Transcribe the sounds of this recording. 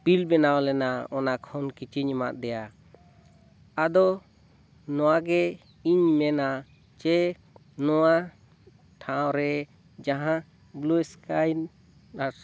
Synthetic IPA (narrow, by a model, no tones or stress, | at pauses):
pilbɛnawlɛnaɔnakʰhɔnkit͡ʃiɲima̰t̪̚d̪ɛja | ad̪ɔ | nɔwaɡɛ | iɲmɛna | t͡ʃɛ | nɔwa | ʈʰãw̃ɾɛ | d͡ʒaɦã | bluɛskajn | a